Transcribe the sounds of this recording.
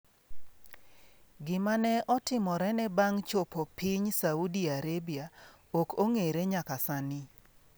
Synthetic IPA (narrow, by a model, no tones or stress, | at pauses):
ɡɪmanɛʔɔtɪmɔɾɛnɛbaŋt͡ʃopɔpiɲsaudiaɾebia | okʰoŋeɾeɲakasanɪ